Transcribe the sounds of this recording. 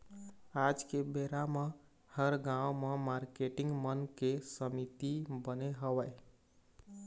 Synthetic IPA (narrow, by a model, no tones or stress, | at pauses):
ad͡ʒkebeɾame | həɾɡãwmemaɾkeʈiŋɡmənkesəmit̪ibəneɦəbə